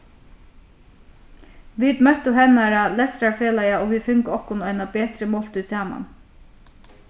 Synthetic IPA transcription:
ʋiːd̪mœt̪əhɛnɑɾɑlɛst̪ɾɑɹfeːlɑɪɑoːʋiːfʉŋkəɔkɔnuːænɑbeːt̪ɾəmɔlt̪ʉːsæːmɑ̰n

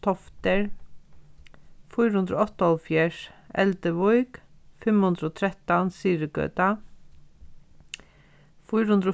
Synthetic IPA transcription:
t̪ʰɔft̪əɹ | fʊːɾhʉnd̪ɾo̰ːɔt̪əɔlfjæːʂɛ̰ld̪əʋɔʏɡ̥fɛmhʉnd̪ɾəoːt̪ʰɾɛt̪ɑnsiːɾəɡø̰ːt̪ɑ | fɔːɾhʉnd̪ɾoː

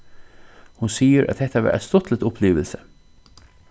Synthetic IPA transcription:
hʊnsiːəɾʔɑ̰t̪̚d̪ɛt̪əʋɑ̰ːɾʔæ̰t̪st̪ɔt̪ʰlət̪ʊpʰliːʋəlsə

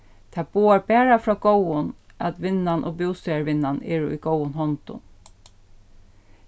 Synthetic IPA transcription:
t̪ʰæboːəɹbæːɹɑfɹɑːɡ̥oʊʊn | ʔɑt̪ʋɪnɑnʔoːbjuːst̪œəɹʋɪnɑneːɹṵːʔiːɡoʊʊnhɔnt̪ʊ̰n

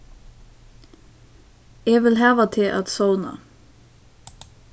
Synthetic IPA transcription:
eːʋɪlɦæːʋɑt̪ʰɪʔɑ̰t̪sɔʊnə̰

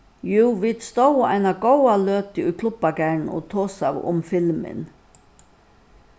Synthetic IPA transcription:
juːʋɪt̪st̪owa̰ɪnaɡɔwaløːt̪ɪʊjkʰlʊbaɡæɳɔ̰t̪ʰoːsawʊ̰mfɪlmɪ̰n

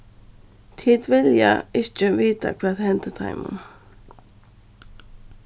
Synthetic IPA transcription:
t̪ʰiːd̪vɪlja̰ɪht͡ʃəviːt̪a̰kʰvaːðhɛnt̪ət̪ʰa̰ɪmʊ̰n

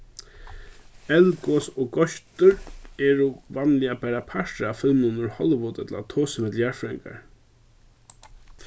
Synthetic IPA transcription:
ɛlkɔsɔɡɔʃt̪ʏɾɛːɾʊvanlɪapaɾapʰaʂt̪ɾafɪlmnʊnʊɹhɔlɪʋʊt̪ɛt̪la̰t̪ʰoːsəmɪt̪l̩jaɹfɾɛŋka̰ɹ

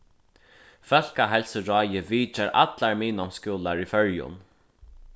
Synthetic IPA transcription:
fœl̥kaɦɛlsəɹɔːjɪviːt͡ʃaɾʔa̰t̪laɹmiːnɔmskuːlaɹifœɹjʊ̰n

